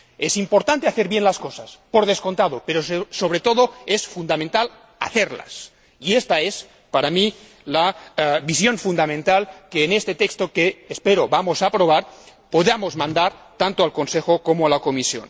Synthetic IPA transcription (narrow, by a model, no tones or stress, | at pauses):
esimpoɾt̪ant̪eaθeɾβjenlaskosaspoɾðesko̞nt̪aðopeɾossoβɾet̪oðoesfund̪amẽnt̪al | a̰θeɾla̰s | iest̪aes | paɾami | laβisjo̞nfund̪amẽnt̪alkeːnest̪et̪ekst̪okeːspeɾoβamosapɾoβ̞aɾ | poðamozmãnd̪aɾt̪ant̪oalkonsexokomoalakomisjo̰n